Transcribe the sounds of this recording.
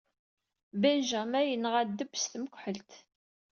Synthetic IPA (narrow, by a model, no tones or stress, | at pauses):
bænʒæmæjənʁæd̪ːəbsθməkʷħəlt̪